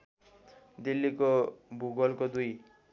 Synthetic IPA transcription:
d̪ilːikobʱuɡʌlkod̪uj

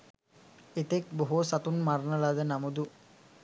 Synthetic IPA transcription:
et̪ek̚boɦusat̪unmarnəlad̪ənamud̪u

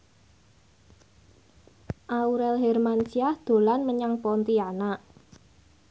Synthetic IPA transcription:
ʔauɾɛlɦɛrmant͡ʃiahd̪̥o̤lanməɲaŋpɔnt̪ianaʔ

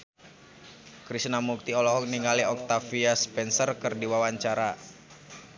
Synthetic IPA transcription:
kɾisnamuk̚t̪iɔlɔɦɔk̚niŋaliɔk̚t̪afiaspɛnsərkɨrdiwawaɲt͡ʃaɾa

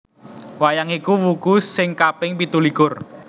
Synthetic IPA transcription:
wajaŋikuwukʊsːɪŋkapɪŋpit̪uliɡʊr

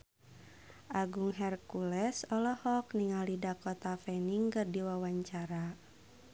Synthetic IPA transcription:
ʔaɡuŋɦɛrkulɛsɔlɔhɔkniŋalidakɔt̪afɛniŋkɨrdiwawaɲt͡ʃaɾa

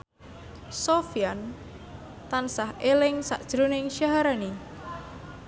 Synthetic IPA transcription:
sofian | t̪ansahelɪŋsa̰ʔd̥ʒ̥ɾunɪŋʃaɦaɾani

